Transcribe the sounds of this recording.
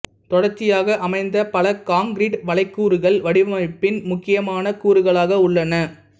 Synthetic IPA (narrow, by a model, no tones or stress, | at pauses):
t̪ɔɽɐɾt͡ʃːɪjaːɣɐʔɐmɐɪnd̪ɐpɐlɐkaːŋɡɾiːʈʋɐɭɐɪkːuːɾɯɣɐɭʋɐɽɪʋɐmɐɪpːɪnmʊkːɪjɐmaːnɐkuːɾɯɣɐɭaːɣɐʊɭːɐnɐ